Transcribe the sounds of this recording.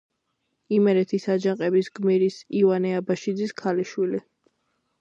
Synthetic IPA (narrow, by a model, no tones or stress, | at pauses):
imɛɾɛt̪ʰisad͡ʒaŋqʼɛbisɡmiɾisivanɛabaʃid̪ziskʰaliʃwili